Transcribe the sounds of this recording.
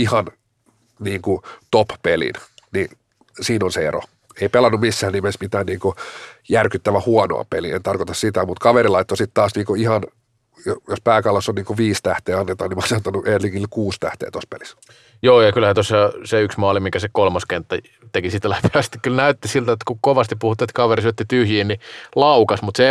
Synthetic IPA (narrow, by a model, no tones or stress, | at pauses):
ihɑn | niːŋkut̪oppelḭnni | siːnonseḛro̰ | eipelɑnːummisːæːnimensmit̪æːnniːŋkojærkyt̪ːæʋæhuɑno̰ɑ̰peliḛnt̪ɑrkot̪ɑssit̪æmut̪kɑʋeɾilɑit̪ːosit̪t̪ɑːsniːŋkoihɑn | jojospæːkɑlːɑsonniːŋkoʋiːst̪æht̪eːɑnːet̪ɑːnimɑsenot̪ːɑnuʔeliŋkilkuːst̪æ̰ht̪ḛːt̪ospḛlis | joːjɑkylhæt̪osːɑseyksmɑːlimikæsekolmɑskent̪ːɑ | t̪ekisit̪læpeæst̪i̥kkylnæyt̪ːisilt̪æet̪kukoʋɑst̪ipuhut̪ːiːet̪kɑʋerisyøt̪ːit̪yhjiːnnilɑukɑsmut̪se